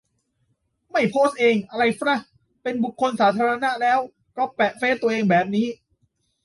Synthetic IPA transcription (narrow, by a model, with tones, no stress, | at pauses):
ma˥˩jpʰoː˦˥˩st̪̚ʔeː˧ŋʔa˧ɾa˧jfɾa˦˥˩ | pe˧nbu˨˩kʰːo˧nsaː˩˦˥t̪ʰaː˧ɾa˧na˦˥ʔlɛː˦˥w | kɔː˥˩pɛ˨˩ʔfeː˦˥t̪u˧ɐʔeː˧ŋbɛː˨˩p̚niː˦˥